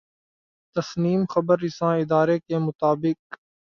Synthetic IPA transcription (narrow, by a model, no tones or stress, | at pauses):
t̪ɐsniːmxɐbəɾɪsãːɪd̪aːɾekemʊt̪aːbɪk̚